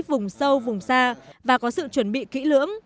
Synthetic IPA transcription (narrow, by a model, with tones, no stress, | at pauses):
k̚vʊ˨˩ŋ͡msə˧wvʊ˨˩ŋ͡msaː˧vaː˨˩kɔ˨˦sɨ̰˧˨t͡ɕwə˧˩nɓḭ˧˨kḭ˧˥lɨ̰˧˥əŋ